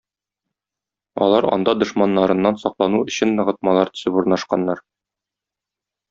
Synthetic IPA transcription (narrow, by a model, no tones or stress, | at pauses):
ɒ̰lˠɑɾɒ̰nd̪ɑd̪ŏʃmɑnːɑɾɤ̆nːɑnsɒqlˠɑnuɵ̆ɕɘnːɤ̆ʁɤ̆t̪̚mɑlˠɑɾt̪ɵ̥̆sɘpuɾnɑʃqɑnːɑɾ